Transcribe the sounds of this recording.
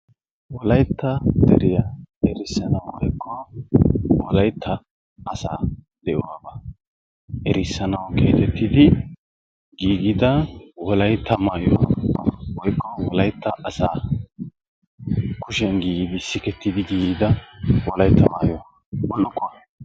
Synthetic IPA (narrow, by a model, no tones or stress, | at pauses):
wɔlɐjt̪ʰːɐd̪̥ɛ̰ɾɪjaɛɾɪsːɐnɐwwɔjkʰːɔ | wɔlɐjt̪ʰːɐː | sa̰ː | d̪ɛʔɔwabɐ | ʔɛɾɪsːɐnɐwkḛːt̪ɛt̪ʰːɪd̪ɪ | ɡiːɡɪd̪ɐwɔlɐjt̪ʰːɐmaːjo̰ | wɔjkːɔwɔlɐjt̪ːɐʔɐsaː | kʰʊʃɛnɡiːɡɪd̪ɪsɪkɛt̪ːɪd̪ɪɡiːɡɪd̪ɐwɔlɐjt̪ʰːɐma̰ːjɔ | wɔlːʊkʼːɔ